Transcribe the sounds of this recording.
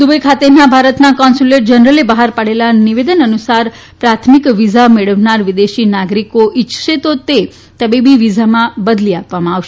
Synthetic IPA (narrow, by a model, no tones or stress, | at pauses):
d̪ubəjkʰat̪enabʱaɾət̪nakɔnsuleʈ̚d͡ʒənəɾəlibəɦaɾpaɽelaniʋed̪ənənusaɾ | pɾat̪ʰmikʋizameɭəʋnaɾʋid̪eʃinaɡɾikoʔit͡ʃʃet̪ot̪e | t̪əbibiʋid͡ʒʱamãbəd̪liapʋamãaʋʃe